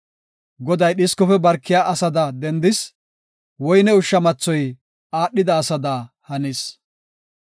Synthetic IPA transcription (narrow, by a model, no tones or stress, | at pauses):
ɡɔd̪ɐjɗɪskɔfɛbɐɾkːɪjaːʔɐsɐd̪ad̪ɛnd̪ɪs | wɔjnɛʊʃːɐmɐt͡sːɔj | aːɗːɪd̪ɐːsɐd̪aː | hɐnɪs